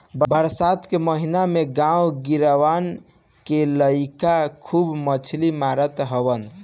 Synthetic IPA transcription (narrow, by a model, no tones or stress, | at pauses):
bbəɾsat̪keməɦinameɡãwɡiɾəʋan | keləikakʰubmət͡ʃʰlimaɾət̪ɦəbən